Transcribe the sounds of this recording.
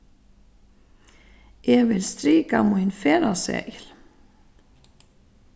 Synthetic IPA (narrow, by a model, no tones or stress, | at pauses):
ʔɛvɪlst̪ɾiːka̰mujnfɛːɾasɛ̰jl̥